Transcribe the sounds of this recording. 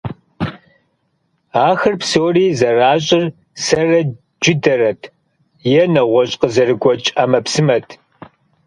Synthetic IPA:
aːxɐrpsoːriːzɐraːɕʼɪr | sɐrɐ | d͡ʒɪdɐrɐtʰ | jɛnɐʁʷɔɕʼqəzɐrɨɡʷɔt͡ʃʼɐmɐpsɨmɐtʰ

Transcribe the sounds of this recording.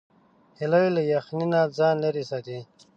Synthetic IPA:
hilawilɐjɐxninaːd͡zaːnlɐɾisat̪i

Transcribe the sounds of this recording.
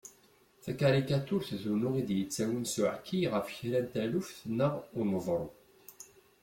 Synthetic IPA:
θækaɾikat̪uɾθθunuʁid̪jət͡sːæwənsuʕkʰːiʁəfçilænt̪ælufθnəʁʊməvˤɾˤu

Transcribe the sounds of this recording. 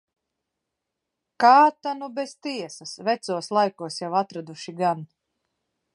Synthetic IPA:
kaːt̪anubest̪iɛsasvɛt̪suɔslˠajkuɔsjawat̪ɾad̪uʃiɡan

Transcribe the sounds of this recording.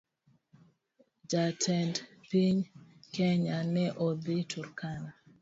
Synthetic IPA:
d͡ʒatʰɛndpiɲkɛɲanɛʔɔd̪ɪtʰuɾkana

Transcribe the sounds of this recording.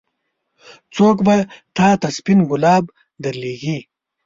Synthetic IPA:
t͡soːkbat̪ɑːt̪ɐspinɡʊlɑːb | d̪aɾliːɡi

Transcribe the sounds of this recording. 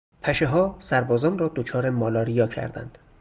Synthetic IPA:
pʰæʃeɦɒːsæɾbɒːzɒːnrɒːd̪ot͡ʃʰɒːɾemɒːlɒːɾijɒːcʰæ̰ɾd̪æ̰nd̪̥

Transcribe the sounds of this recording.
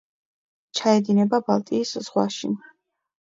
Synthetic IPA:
t͡ʃʰaɛd̪inɛbabalˠt̪ʼiːsz̥ʁwa̰ʃḭ

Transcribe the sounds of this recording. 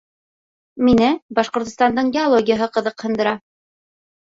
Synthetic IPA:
minɘbɑʃqŏɾt̪ŏst̪ɑnd̪ɤɴɡʲɪolˠoɡʲɪjəɦɤqɤ̆ðɤqhɤ̆nd̪ɤ̆ɾɑ

